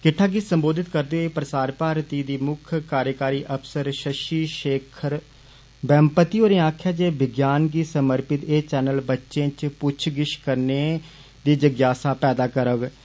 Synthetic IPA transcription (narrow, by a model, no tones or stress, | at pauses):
kɪʈʰːaːɡisəmboːd̪ɪt̪kəɾd̪eːɦoeːpɾəsaːɾpaːɾt̪iːd̪iːmʊkʰkaːɾjəkaːɾiːʔəpsəɾʃəʃiːʃeːkʰəɾ | bɛ̃ːmpət̪iːoːɾẽːaːkʰːjaːd͡ʒeːbɪɡjaːnkiːsəməɾpɪt̪eːt͡ʃɛːnəlbətːʃẽːt͡ʃpʊt͡ʃʰɡɪʃkəɾneː | d̪iːd͡ʒəɡjaːsaːpɛːd̪aːkəɾəɡ